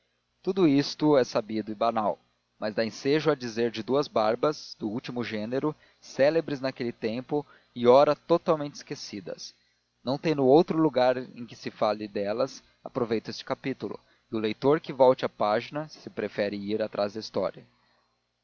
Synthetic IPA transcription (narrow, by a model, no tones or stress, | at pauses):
t̪ud̪ʊist̪ʊɛsabid̪ʊɪbanaw | mɐzd̪aẽseʒʊɐd͡ʒizeɾd͡ʒɪd̪uɐzbaɾbɐzd̪ʊuwt͡ʃimʊʒẽneɾʊ | sɛlebɾɪznakelɪt̪ẽmpʊ | ɪɔɾɐt̪ot̪awmẽnt͡ʃɪ̥skesid̪ɐ̰s | nɐ̃w̃t̪ẽj̃nʊowt̪ɾʊluɡaɾḛ̃j̃kɪ̥sɪfalɪd̪ɛlɐs | apɾovejt̪ʊest͡ʃɪ̥kapit̪ulʊ̰ | ɪʊlejt̪oɾkɪvɔwt͡ʃɪapaʒinɐsɪpɾefɛɾɪiɾat̪ɾazd̪ɐist̪ɔ̰ɾiɐ